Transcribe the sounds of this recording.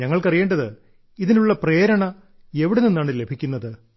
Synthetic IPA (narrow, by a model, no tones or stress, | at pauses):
ɲɐŋːɐɭkɐrijeːɳɖɐðɨ | iðinuɭːɐpre̞ːɾɐɳɐ | e̞ʋiɽeninːaːɳɨle̞bʱikʲːunːɐðɨ